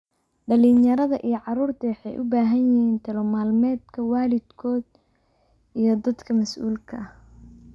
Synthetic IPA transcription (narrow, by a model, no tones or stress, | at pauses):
ɖɐliːnjɐɾɐðɐʔijɞʕɑɾuːrt̪ʰɐwɑħɑjʔʊbaːɦɐnjɪhiːnt̪ʰɐlɔmaːlmɛːd̪kʰɐwaːlɪd̪kʰɔːd̪ | ijɞd̪ɐd̪kʰɐmɐsʔṵːlkʰɐh